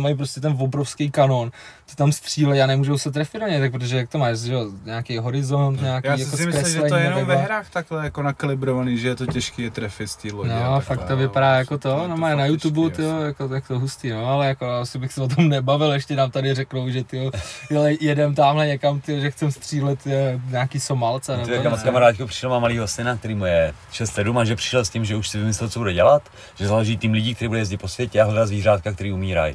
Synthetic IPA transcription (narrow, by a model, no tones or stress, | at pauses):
majp̬ɾoscʲɛt̪ɛnvobɾofskejkanont̪ɪ̥t̪amst̪r̝̥iːlɛjaːnɛmuːʒowsɛt̪ɾɛfɪdaɲɛjt̪akpɾot̪oʒɛjak̚t̪omaːʃʒɛoɲaːkejɦo̞ɾɪzo̞nt̪ɲaːkjiːjakosskɾɛsslɛɲiːɛbvɛaɾaːxt̪aklɛjakonakalɪbɾovaniːʒɛjɛt̪ocɛʃkiːjɛt̪ɾɛfɪt̪st̪iːlonoafaktt̪ovɪpadaːjakot̪onomaːjnajut̪ubut̪ɪojakojakt̪oɦust̪iːnoalɛjakoaasɪbɪxsɛvot̪̬omnɛbavɪlɛʃcɛnaːmt̪adɪrɛknowʒɛt̪ɪojɛlɛjjɛdɛmt̪aːmɦlɛɲɛkamt̪ɪjoʒɛxt͡sɛmst̪r̥iːlɛt̪ːɲaːkiːso̞malt͡sanɛbmkamaɾaːt̪kupr̥ɪ̥ʃɛlmamaliːɦosɪnak̚t̪ɛɾiːmujɛ | ʃɛst̪sɛdumaʒɛpr̥ɪ̥ʃɛlscimʒɛuʃsɪvɪmɪslɛlt͡sobudɛɟɛlat̪ | ʒ̥ɛzalɛʒiːt̪iːmlɪɟiːkt̪ɛɾiːbudɛjɛzɟɪt̪̚po̞svjɛcɛaɦlɛdazviːraːt̪kakt̪ɛɾiːumiːɾa̰j